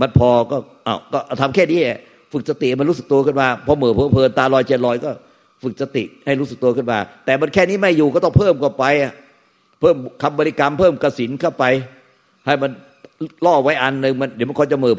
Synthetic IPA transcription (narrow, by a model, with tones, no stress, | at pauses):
ma˧npʰɔː˧kɔː˥˩ | ʔa˧˩wkɔː˥˩˧t̪ʰa˧mkʰɛː˥˩niː˦˥nɛ˧˩ | fɯ˨˩k̚sa˧t̪i˨ʔm˧nɾuː˦˥sɯ˨k̚t̪u˧əkɯ˥˩nwaː˧˩pʰɔ˧˥mɤː˨˩pʰɤː˦pʰɤː˧nt̪aː˧lɔː˧jt͡ɕʰe˧˩lɔː˧jkɔː˥˩ | fɯ˨˩k̚sa˧t̪ḭ˨˩ʔha˥˩jɾu˦˥sɯ˨˩k̚t̪u˧ɐkʰɯ˥˩nwaː˧˩t̪ɛː˨˩ma˧nkʰɛː˥˩niː˦˥˩ma˥˩jːuː˨˩kɔː˥˩ɔ˥˩pʰɤː˥˩mkwa˨˩pa˧jʔa˨˩ | pʰɤː˥˩mkʰa˧mbɔː˧li˧ka˧mpʰɤː˥˩mka˧si˩˦nkʰa˥˩wpa˧j | ha˥˩jma˧n | lɔː˥˩wa˦˥jʔa˧nːɯ˧ŋma˧ndiː˨˦ma˧˥˩kɔː˧˥jt͡ɕa˧˩mɤː˨˩p